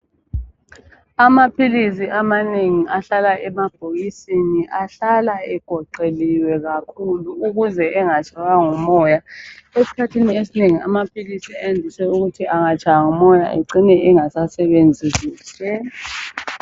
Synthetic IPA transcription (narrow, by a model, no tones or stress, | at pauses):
amapʰilisiʔamaneŋiʔaɬalaʔɛmab̥ʱoɣisiniʔaɬalaɛɡ̥ʱɔǃeliwɛɣakʰuluːɣuzɛʔɛŋat͡ʃʰʼaɣaŋumɔːjaesi̥kʰatʰiniesineŋiamapʰilisiajendʱisɛuɣutʰiʔaŋat͡ʃʰʼawaŋumɔja̰ʔḛǀinɛʔɛŋasasɛβend͡zʱisiːsɛ